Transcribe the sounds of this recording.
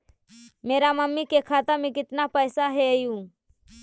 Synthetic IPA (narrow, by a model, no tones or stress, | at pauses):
meːɾaməmːikekʰaːt̪əmẽkɪt̪napəjsaɦeəjũː